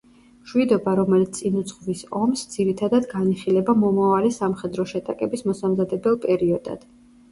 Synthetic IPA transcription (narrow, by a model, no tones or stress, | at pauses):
ʃwid̪ɔbaɾɔmɛlit̪sʼinut̪sχvisɔmsd̪z̥iɾit̪ʰad̪ad̪ɡaniχilɛbamɔmavalisamχɛd̪ɾɔʃɛt̪ʼakʼɛbismɔsamzad̪ɛbɛlˠpʼɛɾiɔd̪a̰d̪̥